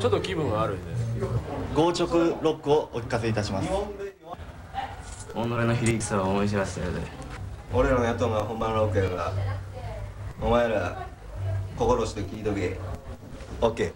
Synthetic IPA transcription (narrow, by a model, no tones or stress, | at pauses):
t͡ɕot̪ːokʲibɯ̟̃ɰ̃ɡaːɾɯ̟̃nd̪e | ɡo̞ːt͡ɕo̞kɯ̟ɾo̞kːɯo̞ʔokʲi̥kas̬e̞it̪aɕimasɨ̥ | onːoɾenoçiɾʲiki̥saβaomoiɕ̬ibaseod̪ḛo̞ɾe̞ɾanojat̪oŋɡaaɦõ̞mbãnɾokːɯẽɡa̰ | omaeɾa | ko̞ko̞ɾo̞ɕi̥t̪ekʲiːd̪oɡie | okːe̞ː